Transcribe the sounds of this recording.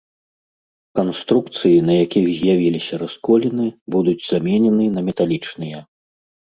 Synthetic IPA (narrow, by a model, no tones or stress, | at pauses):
kanst̪ɾukt̪sɨjinɐjakʲixzʲjavʲilʲisʲɐɾaskɔlʲinɨbud̪ud͡zʲzamʲɛnʲɛnɨnɐmʲɛt̪alʲit͡ʂnɨjɛ